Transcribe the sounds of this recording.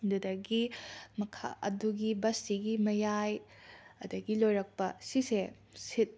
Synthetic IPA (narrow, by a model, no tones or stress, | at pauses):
dudɐɡimɐkʰa̰ʔɐ̰duɡibɐsiɡimɐjaj | ɐdɐɡilojɾɐk̚pɐsise | sit̚